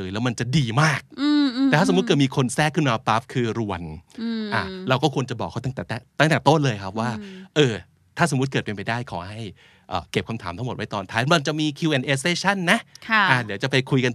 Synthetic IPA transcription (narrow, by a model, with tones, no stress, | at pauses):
jlɛ˦˥wma˧nt͡ɕa˨˩diː˧maː˥˩k̚ːtɛɛ˨˩tʰaː˥˩s̚kːɤː˨˩miː˧kʰo˧nsɛː˥˩kʰːɯ˥˩nmaː˧pa˦˥p̚kʰɯː˧ɾu˧˩ənʔaː˨˩ɾa˧wkɔː˥˩kʰu˧ənt͡ɕa˨˩bɔː˨˩k̚ʰa˥˩t̪a˥˩ŋt̪ɛː˨˩t̪ɛ˥˩t̪a˥˩ŋt̪ɛː˨˩t̪o˥˩nlɤː˧jkʰa˦˥p̚waː˥˩ʔɤː˧ | t̪ʰaː˥˩so˩˦mu˦˥t̪̚kɤː˨˩t̪pe˧npa˧jdaː˥˩jkʰɔ̰ː˩˦ɦa˥˩j | ʔə̰ː˨˩ke˨˩p̚kʰa˧mt̪ʰaː˩˦t̪ʰa˥ŋo˨˩wa˦˥jt̪ɔː˧nt̪ʰaː˦˥˦ma˧nt͡ɕa˨˩miː˧kʰiː˧ʔe˨˩nʔeː˧˥seː˧˥t͡ɕʰa˥˩nːa˦˥ʔkʰʔaː˧˩di˩˦wt͡ɕa˨˩pa˧jkʰu˧jka˧